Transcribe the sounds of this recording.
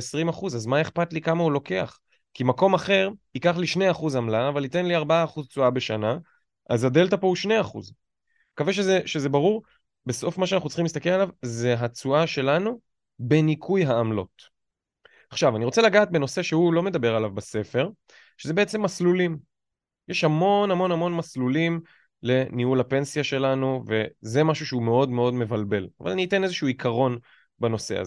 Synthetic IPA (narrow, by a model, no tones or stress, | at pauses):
esʁimaχuzazmae̞χpatlikamaulo̞ke̞a̰χ | kimako̞maχe̞ʁ | ikaχliʃneaχuzamlaːvalite̞nliaʁbaaːχuzt͡suabe̞ʃana | ʔazade̞ltapouʃne̞jaχṵz | kaveʃezeʃezebaʁuʁ | be̞so̞fmaʃeanaχnut͡sχimist̪akelalavzeɦat͡suaʃe̞lanu | be̞nikʰujɦaːmlo̞̰t | aχʃavaniʁo̞t͡selaɡaːt̪̚be̞no̞se̞ʃehulo̞me̞d̪abeʁalavbase̞fe̞ʁ | ʃezebe̞et͡se̞mːaslulim | jeʃhamo̞namo̞nhamo̞nmaslulim | le̞nihulhape̞nsiaʃe̞lanuve̞ze̞maʃuʃeumeo̞dme̞o̞dme̞valbe̞lava̰lanite̞nezeʃuuikʰaʁo̞n | bano̞se̞̰a̰z